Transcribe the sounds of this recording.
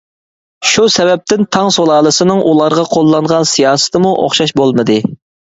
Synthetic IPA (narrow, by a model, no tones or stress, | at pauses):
ʃusɛvɛp̚t̪ʰɪnt̪ʰɑŋsolˠɑːlˠɨsɨnɨŋʔulˠɑɾʁɑqʰolˠːɑɴʁɑnsijɑːsɨ̥t̪ɨmuʔo̰χʃɑʃbolˠmɨd̪ɨ